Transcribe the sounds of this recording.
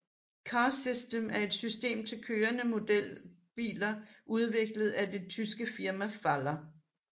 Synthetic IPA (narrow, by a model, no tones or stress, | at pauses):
kʰɑ̈ːsisd̥emæɐe̝d̥sysd̥e̝̰ːmt͡sʰe̝lkʰøːɐnəmo̝d̥el̰ | b̥ḭːlɐʔuð̞ˠʋe̝ɡ̥ləð̞̩ˠæd̥et͡sʰysɡ̥əfiɐmæfælɐ